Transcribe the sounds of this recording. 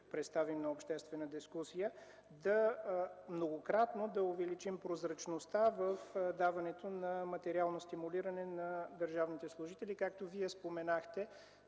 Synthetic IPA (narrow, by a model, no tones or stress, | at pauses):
pɾɛt̪st̪avimnɐopʃt̪ɛst̪vɛnəd̪iskusijə | d̪ɐ | mnoɡokɾat̪nod̪ɐʊvɛlit͡ʃimpɾozɾɐt͡ʃnost̪avəfd̪avɐnɛt̪onɐmɐt̪ɛɾialˠnost̪imuliɾɐnɛnɐd̪əɾʒavnit̪ɛslˠʊʒit̪ɛlikak̚t̪oviɛspomɛnaxt̪ɛ